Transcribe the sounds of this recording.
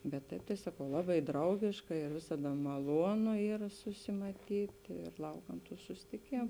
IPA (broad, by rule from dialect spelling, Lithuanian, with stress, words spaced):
bʲɛt ˈtɐɪp tɐɪ ˈsɑːkɐʊ ˈlˠɑːˌbɐɪ ˈdrɐʊɡʲɪʃkɐ ɪr ˈʋʲɪsɐdɐ mɐˈlˠuɔnʊ ˈiːrɐ sʊsʲɪmɐˈtʲiːtʲ ɪr ˈlˠɐʊkɐm tuː sʊsʲɪtʲɪˈkʲeːmʊ